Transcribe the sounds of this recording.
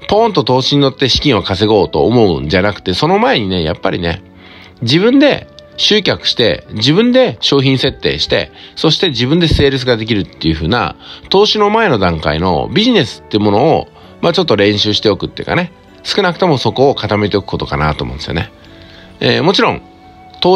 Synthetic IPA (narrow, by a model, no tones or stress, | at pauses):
põ̞nt̪o̞t̪o̞ːɕiɲ̟ino̞t̪ːe̞ɕi̥kʲĩɰ̃okase̞ɡo̞ːt̪o̞ːmo̞ɯ̟̃nd͡ʑanakɯ̥t̪e̞so̞no̞mae̞ɲ̟ine̞ja̰pːa̰ɾʲḭne̞̰ | d͡ʑibɯ̟̃nd̪e̞̰ɕɨːkʲakɯ̟̥ɕi̥t̪e̞̰d͡ʑibɯ̟̃nd̪e̞ɕo̞ːçĩɰ̃se̞t̪ːe̞̰ːɕi̥t̪e̞̰so̞ɕi̥t̪e̞d͡ʑibɯ̟̃nd̪e̞se̞ːɾɯ̟s̬ɨɡad̪e̞kʲiɾɯ̟t̪ːe̞jɯ̟ɸɯ̟ːna̰t̪o̞ːɕino̞mae̞no̞d̪ãŋka̰ino̞̰bʲiʑine̞sɨ̥t̪ːe̞iɯ̟mo̞no̞̰ː | mat͡ɕo̞t̪ːo̞ɾẽ̞ɰ̃ɕɨːɕi̥t̪e̞o̞kɯ̟̥t̪ːeiɯ̟̰kane | sɨ̥kɯ̟nakɯ̟t̪o̞mo̞so̞ko̞ːkat̪ame̞t̪e̞okɯ̥ko̞t̪o̞kana̰t̪oːmõnd̪esjone | eːmo̞t͡ɕiɾõ̞ŋ | t̪oː